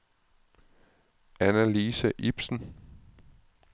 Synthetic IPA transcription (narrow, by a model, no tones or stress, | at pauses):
ænæliːsæʔib̥sn̩